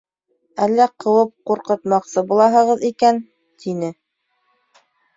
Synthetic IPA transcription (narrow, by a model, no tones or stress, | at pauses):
ælːæqʰɤ̆wɤp̚quɾqɤ̆t̪mɑqsɤbulˠɑɦɤ̆ʁɤðikæn | t̪ʰinɘ